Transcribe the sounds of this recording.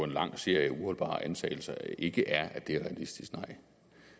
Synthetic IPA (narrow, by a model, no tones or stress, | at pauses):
ɒ̽e̝nlɑ̈ŋ̰se̝ɐ̰jəuhɒ̽lb̥ɑ̰̈ːʔænsʰɛ̰ːɪl̩sɐe̝ɡ̥əʔæɐæd̥eæɐʁɛælisd̥isɡ̥nɑ̈ɪ̰